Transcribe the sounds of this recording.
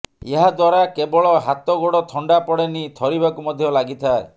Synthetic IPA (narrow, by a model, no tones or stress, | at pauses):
eɦad̪waɾakebɔɭɔɦat̪ɔɡoɽɔt̪ʰɔɳɖapɔɽenit̪ʰɔɾibakumɔd̪ʱjɔlaɡit̪ʰae